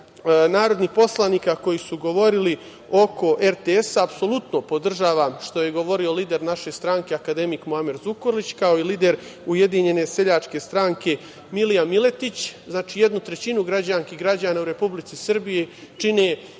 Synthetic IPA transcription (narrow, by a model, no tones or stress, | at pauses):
naːɾod̪nixpo̞slˠaniːkako̞jisuɡo̞ʋo̞ɾili | o̞ko̞ʔeɾt̪eesaːpso̞lˠut̪nopo̞d̪r̩ʒaːʋamʃt̪o̞je̞ɡo̞ʋo̞ɾio̞liːd̪e̞ɾnaʃe̞st̪ɾaŋke̞akad̪e̞mikmoamiɾzukoɾlit͡ɕkao̞iliːd̪e̞ɾ | uje̞d̪iɲe̞ne̞se̞ʎat͡ʂke̞st̪ɾaːŋkʰe̞ | milijamile̞t̪it͡ɕznaːt͡ʃiːje̞d̪nut̪ɾet͡ɕinuɡɾad͡ʑanskiɦɡɾad͡ʑaːnaːuɾe̞publit̪sisr̩bijet͡ʂine